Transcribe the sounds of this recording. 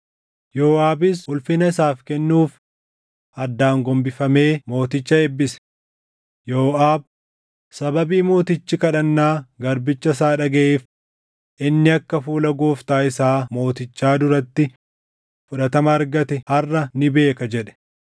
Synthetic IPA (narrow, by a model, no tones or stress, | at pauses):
joːʔaːbɪshʊlfɪnɐɪsaːfkɛnːuːf | ʔɐd̪ːaːŋɡɔmbɪfɐme̞ːmo̞ːt̪ɪt͡ʃːɐɛbːɪsɛ̥ | joːʔaːb̚ | sɐbɐbiːmo̞ːt̪ɪt͡ʃːɪkɐᶑɐnːaːɡɐɾbɪt͡ʃːɐs̬aːᶑɐɡɛʔeːf | ʔɪnːɪɐkːɐfuːlɐɡoːft̪aːɪsaːmo̞ːt̪ɪt͡ʃːaːd̪ʊɾɐt̪ːɪ | fʊᶑɐt̪ɐmɐːɾɡɐt̪ɛhɐrːɐnɪbe̞ːkɐd͡ʒɛᶑɛ̥